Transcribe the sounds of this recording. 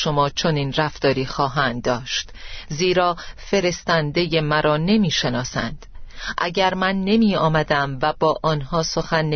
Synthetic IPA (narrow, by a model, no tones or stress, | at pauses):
ʃo̞mɒːt͡ʃʰo̞niːnræft̪ɒːɾiːxɒːɦænd̪̚ːɒːʃt̪ziːɾɒːfe̞ɾe̞st̪ænd̪e̞je̞mæɾɒːne̞miːʃe̞nɒːsæ̰nd̪̥ʔæɟæɾmænːe̞miːɒːmæd̪æmvæbɒːʔɒːnhɒːso̞xænːe